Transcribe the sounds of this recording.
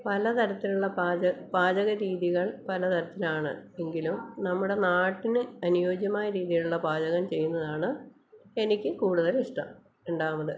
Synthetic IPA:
pɐlɐt̪ʰɐɾɐt̪ːiluɭːɐpaːd͡ʑɐbaːd͡ʑɐɣɐɾiːðiɣɐɭpɐlɐt̪ʰɐɾɐt̪ːilaːɳɨ̰e̞ŋɡilumnɐmːuɽe̞naːʈːinɨɐnujo̞ːd͡ʑjɐmaːjɐɾiːðijɐluɭːɐbaːd͡ʑɐɣɐmt͡ɕe̞jːunːɐðaːɳɨ | e̞nikʲːɨkuːɽuðɐliʂʈɐm | eɳɖaːmɐðɨ

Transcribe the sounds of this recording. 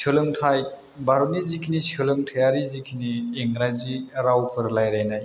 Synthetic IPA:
sɯlɯŋtʰaj | baɾonizikʰinisɯlɯŋtʰajaɾizikʰinieŋɾaziɾawpʰɯɾlajɾajnaj

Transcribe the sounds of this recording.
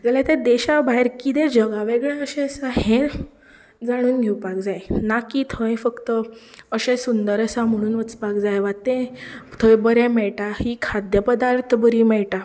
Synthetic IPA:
d͡zalat̪ed̪eɕabaɦeɾkit̪ẽd͡ʑəɡaʋeɡɭãəɕẽəsahẽ | d͡zaɽ̃uːnɡʱewpak̚d͡zajnakit̪ʰə̃jfəkt̪əəɕẽsund̪əɾəsam̤əɽ̃uːnʋət͡spakd͡zajʋat̪ẽt̪ʰə̃jbəɾẽmɛɭʈahikʰad̪jəpəd̪aɾt̪ʰəbəɾiːmɛɭʈa

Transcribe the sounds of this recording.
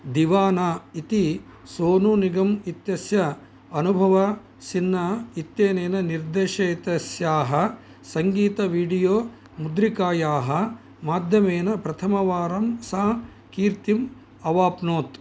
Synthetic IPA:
d̪iʋaːnaːit̪i | soːnuniɡɐmit̪jɐsjɐ | ɐnubʱɐʋɐ | sinːɐit̪jeːneːnɐniɾd̪eːʃɐit̪ɐsjaːɦɐ | sɐŋɡiːt̪ɐʋiːɖijoː | mud̪ɾikaːjaːɦɐ̆ | maːd̪ʱjɐmeːnɐpɾɐt̪ʰɐmɐʋaːɾɐmsaː | kiːɾt̪im | ɐʋaːpnoːt̪

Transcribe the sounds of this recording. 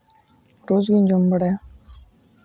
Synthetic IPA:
ɾoːzɡiːnd͡ʒombəɽɛː

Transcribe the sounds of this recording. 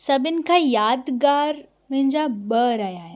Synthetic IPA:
sɐbɪnɪ̆kʰaːjaːd̪ɡaːɾ | mɐ̃ɦɪ̃ɲd͡ʑabɐːɾaːjaːɦɪ

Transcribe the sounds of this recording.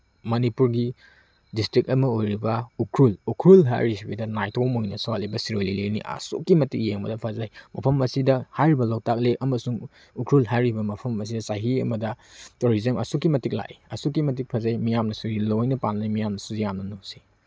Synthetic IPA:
mɐnipuɾɡi | distɾik̚ɐmɐojɾibɐukʰɾulukʰɾulɦa̰jɾisibidɐnajtʰomojnɐsalibɐsiɾojlilinḭʔɐ̰sṵkːimɐtik̚jeŋbɐ̰dɐpʰazajmɐpʰɐmɐsidɐhajɾibɐlowtak̚lekʔɐmɐsuŋ | ukʰɾulɦajɾibɐmɐpʰɐmɐs̬idɐsaɦiɐ̰mɐdɐtuɾizemɐ̰sukːimɐtik̚la̰ʔiɐsuk̬ːimɐt̬ik̚pʰazajmijamnɐsuɡilojnɐpanlajmijamnɐsuzijamnɐnosi̥

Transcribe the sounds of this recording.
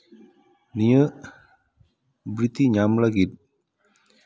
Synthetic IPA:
nijə | bɾit̪iɲamlaɡit̪̚

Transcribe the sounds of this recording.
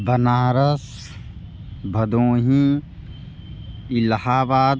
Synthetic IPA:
bɐnaːɾɐs | bʱɐd̪õːɦĩ | ilhaːbaːd̪

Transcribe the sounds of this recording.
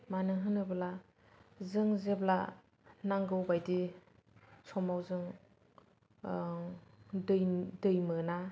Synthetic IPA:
manɯɦɯnɯbla | zɯŋzebla | naŋɡɯwbajdi | sʰɔmawzɯŋ | dɯjdɯjmɯna

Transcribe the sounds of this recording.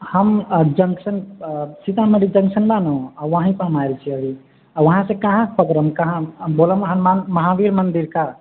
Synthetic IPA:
həmd͡ʒəŋsənsit̪ameɾid͡ʒə̃ŋksənbanoaʋəɦĩpəɦəmajɾet͡ʃʰiəbi | aʋəɦãsẽkaɦãpəkɾəmkəɦãboləmɦãmanməɦaʋiɾmənd̪iɾka

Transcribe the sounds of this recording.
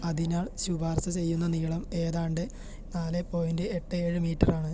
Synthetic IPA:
ɐðinaːɭɕubʱaːrsɐt͡ɕe̞jːunːɐniɭɐme̞ːðaːɳɖɨ | naːlepːo̞ːjindɨeʈːɨeːɻɨmiːʈːɐraːɳɨ

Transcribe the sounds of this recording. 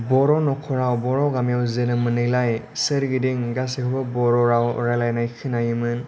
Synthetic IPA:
bɔɾɔnɔkʰɔɾawbɔɾawɡamijawzɯnɯmɯnɯjlaj | sɯɾɡidiŋɡas̬ekʰɔbɔbɔɾɔɾawɾalajnajkʰɯnajɯmɯn

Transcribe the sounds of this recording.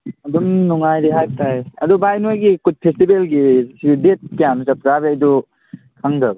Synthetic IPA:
ɐdumnuŋajɾiɦajtajɐdubʱajnojɡikut̚pʰestibelɡisiidet̚kijanut͡ʃap̚zabiajdu | kʰaŋdab

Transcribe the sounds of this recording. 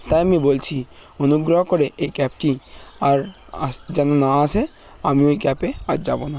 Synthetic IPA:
t̪ajamibolt͡ɕʰionuɡɾoɦɔkoɾeʔekɛp̚ʈiaɾ | ad͡ʒɛnonaasʰe | amioejkɛpead͡ʑa̰bona

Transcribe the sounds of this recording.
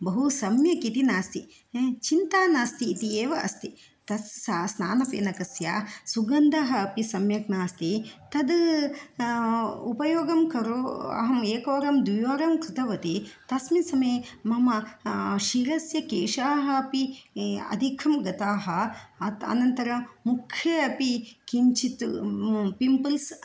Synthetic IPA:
bɐɦusɐmjɐkit̪inaːst̪i | t͡ʃint̪aːnaːst̪iːt̪ieːʋɐʔɐ̰st̪i | t̪ɐssasnaːnɐpḛːnɐkɐsja̰ːsuɡɐnd̪ɐɦɐɐpisɐmjɐk̚naːst̪it̪ɐd̪ | upɐjoːɡɐmkɐɾuɐ̰ɦɐmeːkɐʋɐɾɐmd̪ʋijoːɾɐmkɾɪt̪ɐʋɐt̪it̪ɐsmisɐmeːmɐmɐʃiːɾɐsjɐkeːʂaːɦɐɐpiɐ̰d̪ʱikʰɐmɡɐt̪aːɦɐɐt̪ɐ̰nɐnt̪ɐɾɐmukʰjɐɐpikiɲt͡ʃit̪ | pimpɐls

